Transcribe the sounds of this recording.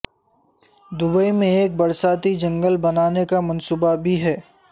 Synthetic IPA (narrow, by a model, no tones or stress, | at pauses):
d̪ʊbəimẽeːk̚bɐɾsaːt̪id͡ʒɐ̃ŋɡəlbɐnaːnekamɐ̃nsuːbabʱiɦɛː